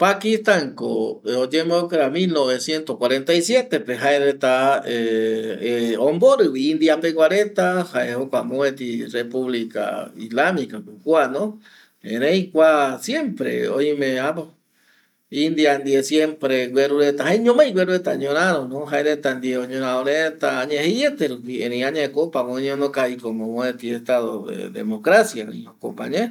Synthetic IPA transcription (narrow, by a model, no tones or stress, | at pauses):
pakist̪aŋko̰od͡ʒemokeɾamĩlnoβesje̞nt̪ohkwaɾe̞nt̪ajsjet̪epeɦaeɾet̪ae | õmboɾɨβiĩnd̪iapeɡwaɾet̪ahaehokʷamõet̪irepuβlika̰ḭslamikakukwanõ | ḛ̃ɾẽjkʷasjempɾḛojmẽapo | ind̪iand̪iesjempɾeɡweɾuɾet̪aɦajɲõmãjɡweɾuet̪aɲõɾ̃ãɾonõɦaeɾet̪and̪ieoɲõɾ̃ãoɾẽt̪aːɲẽheet̪eɾupiẽɾẽj̃ãɲẽkopamõɲõnokaikomõmõet̪iest̪aðoḛd̪ḛmokɾasjaɾḛ̃hokopa̰ɲẽ